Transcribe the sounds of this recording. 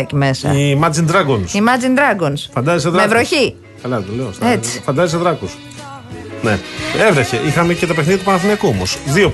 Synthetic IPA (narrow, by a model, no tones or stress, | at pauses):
cimesɐ̰imɐd͡zind̪ɾɐɡonsimɐd͡zind̪ɾɐɡonsfɐnd̪ɐzis̬eðɾevɾoɐçi | kɐlɐt̪ole̞ost̪et͡si̥fɐnd̪ɐzis̬eðɾɐkus | ne̞evɾeçe̞ʔixɐmecet̪ɐpexniðit̪upɐnɐθinekuomosðio̞